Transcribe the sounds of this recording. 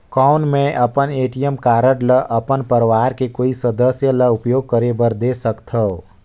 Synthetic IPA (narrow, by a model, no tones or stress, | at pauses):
kɔːʊnmẽʔɐpəneːʈijəmkaːɾəʈləʔɐpənpəɾʋaːɾkekoːisəd̪əsjələʊpjoːɡ̚kəɾebəɾd̪esəkt̪ʰəo